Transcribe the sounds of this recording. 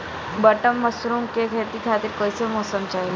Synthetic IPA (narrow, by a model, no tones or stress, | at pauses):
bəʈəmːəsɾuŋkekʰeɾt̪iːkʰat̪iːɾkɔjsemɔsəmt͡ɕaɦil